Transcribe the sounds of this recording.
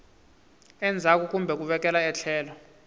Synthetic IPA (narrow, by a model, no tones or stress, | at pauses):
ɛnd͡zʱak̬uk̬ʼumbʱɛk̬uɓɛk̬ʼɛlaɛɬʰɛːlɔ